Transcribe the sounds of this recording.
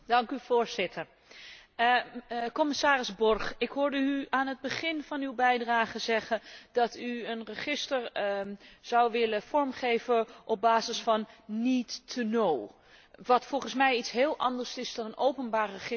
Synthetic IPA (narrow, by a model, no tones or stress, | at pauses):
dɑŋkyv̥oːɹzɪtʰəɹ | kɔmɪsaːrɪzbɔrχɪkɦʊːɹdəyaːnɦəd̚bəχɪnv̥ɑnywbɛjdraːχəzɛχəndɑtyənrəχɪstəɹ | z̥awʋɪləfɔɹmχejvəʔɔb̚baːzɪsfɑnːitːənow | ʋɑtfɔlˠχənsmɛjitsɦɪːlˠʔɑ̰ndəɹsɪzdɔnənowpənbaːɹrəχɪ